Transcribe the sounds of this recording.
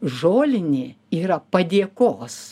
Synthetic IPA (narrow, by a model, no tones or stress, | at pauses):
ʒoːlʲɪnʲɪː | iːɾɐpɐd̪ʲiɛkoːs